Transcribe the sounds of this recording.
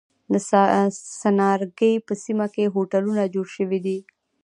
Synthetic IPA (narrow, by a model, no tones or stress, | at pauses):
d̪əssanɑɾɡəjpəsimakeɦoʈalunad͡ʒoɽʃəwid̪i